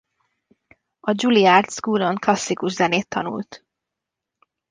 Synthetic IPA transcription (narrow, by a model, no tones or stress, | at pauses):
ɒd͡ʒuliaːrt̪skuːlo̞ŋklɒsːikuʒzɛneːt̪ʰːɒnṵlt̪